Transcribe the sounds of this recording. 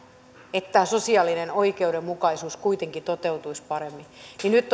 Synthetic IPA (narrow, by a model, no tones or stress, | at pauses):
et̪t̪æːsosiɑlːinenoikeudemmukɑisuːskuit̪eŋkit̪ot̪eut̪uispɑremːininyt̪ː